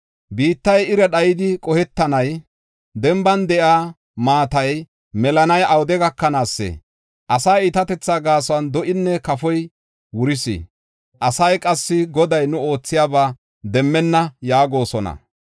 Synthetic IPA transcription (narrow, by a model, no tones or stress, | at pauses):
biːt̪ːɐjɪɾɛɗɐjɪd̪ɪkʼɔhɛt̪ːɐnɐj | d̪ɛmbɐnd̪ɛʔaː | maːt̪ɐj | mɛlɐnɐjʔɐwd̪ɛɡɐkːɐnaːsːɛ̰ | ʔɐsaːɪt̪ɐt̪ɛt͡sːaːɡaːswɐnd̪ɔʔɪnːɛkɐfɔj | wʊɾɪsḭ | ʔɐsɐjkʼɐsːɪɡɔd̪ɐjnʊo̞ːt͡sːɪjaːbaː | d̪ɛmːɛnːɐjaːɡo̞ːsɔnɐ̰